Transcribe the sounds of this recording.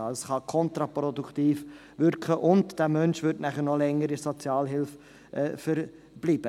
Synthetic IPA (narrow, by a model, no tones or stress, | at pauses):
ɑsχɑkʰɔnt̪ɾɑpɾɔduktiːf | ʋʏɾkχəʔʊndd̥æːmœnʃʋʏɾtnæχəɾnɔlɛŋːəɾisɔt͡sjɑːlɦɪlf | ʔfəɾ | b̥liːb̥ə